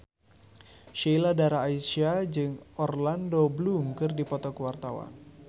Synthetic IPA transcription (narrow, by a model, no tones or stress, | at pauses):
ʃiladaɾaːisiad͡ʒɨŋɔrlandoblumkɨrdipɔt̪ɔkəwart̪awa̰n